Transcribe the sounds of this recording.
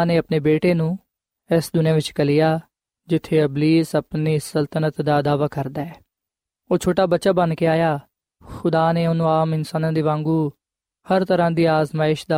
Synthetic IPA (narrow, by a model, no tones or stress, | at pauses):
neːəpneːbeːʈeːnũː | ɛsd̪ʊnãːʋɪt͡ʃkəlɪjaː | d͡ʒɪt̪ʰːeːəbliːsəpniːsəlt̪ənət̪d̪aːd̪aːʋaːkəɾd̪aːɛː | oːt͡ʃʰoːʈaːbətːt͡ʃaːbənkeːaːjaː | xʊd̪aːneːʊnũːaːmɪnsaːnãːd̪iːʋãːŋɡuː | həɾt̪əɾãːd̪iːaːzmaːɪʃd̪aː